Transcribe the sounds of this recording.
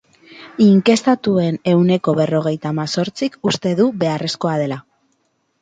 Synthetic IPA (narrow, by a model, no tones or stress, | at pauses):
iŋke̞st̪at̪ue̞ne̞wne̞ko̞βe̞ro̞ɣ̞e̞jt̪amaso̞ɾt͡sikust̪e̞ðuβe̞are̞sko̞aðe̞la